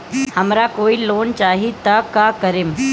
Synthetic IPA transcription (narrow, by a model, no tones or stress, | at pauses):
hɐmɾakoːiloːnt͡ʃaːɦit̪akaːkɐɾɪm